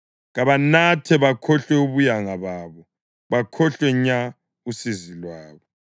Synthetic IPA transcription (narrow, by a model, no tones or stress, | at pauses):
ɣaβanatʰɛβakʰɔɬwɛuβujaŋaβaːβɔ | βakʰɔɬwɛɲa | usizilwaːβɔ